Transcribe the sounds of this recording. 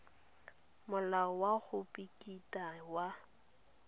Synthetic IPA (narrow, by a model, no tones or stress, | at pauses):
mʊlaɔwaɣʊpʼikʼitʼawa